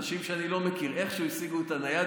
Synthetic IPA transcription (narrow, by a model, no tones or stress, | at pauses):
ʃimʃeanilo̞mekiʁe̞χʃeuisiɡuet̪anaja